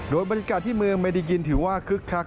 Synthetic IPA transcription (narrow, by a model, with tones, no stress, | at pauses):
doː˧jbɔ˧nja˧˥kaː˨˩t̪ʰːiː˥˩mɯ˧əŋma˧jda˦˧ji˧nt̪ʰɯː˩˦waː˥˩kʰɯ˦˥kʰːa˦˥k̚